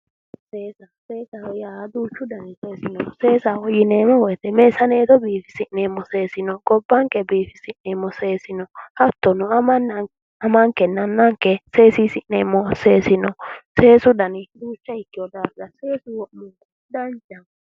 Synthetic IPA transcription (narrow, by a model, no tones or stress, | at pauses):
seːsɐseːsɐwɔjaːd̪uːt͡ʃːʊd̪ɐnɪseːsɪnɔse̞ːsawɔjɪneːmɔwɔjt̪ɛmeːsɐneːt̪ɔbiːfɪ̥sɪʔneːmːɔse̞ːsɪnɔɡɔbːɐŋkɛbiːfɪsɪnnːeːmːɔseːsɪnɔhɐt̪ːɔnʊɐmɐnːɐŋ | ɐmɐŋkːɛnɐnːɐŋkːɛse̞ːsisɪnnːeːmːɔseːsɪnɔseːsʊd̪ɐnɪd̪uːt͡ʃːɐɪkːɪjɔd̪aɾɡɐseːsʊwɔʔmɔn | d̪ɐnd͡ʒɐm